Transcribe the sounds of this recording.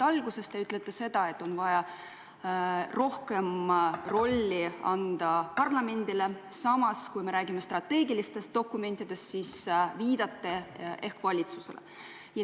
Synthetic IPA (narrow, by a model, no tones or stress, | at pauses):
ɑlɡ̥use̞st̪eyt̪let̪ːˑese̞d̪̥ɑe̞t̪ːˑo̞nvɑjɑ | ro̞hke̞mro̞lʲːiɑ̰nd̪̥ɑpɑrlɑme̞nd̪ile̞sɑmɑskujme̞ɾæːɡimest̪rɑt̪e̞ːɡilist̪e̞st̪̚d̪̥o̞kːˑume̞nt̪ːˑid̪̥e̞st̪sisviːd̪̥ɑt̪ˑːeʔe̞hkvɑlʲit̪suse̞̰lḛ | jɑ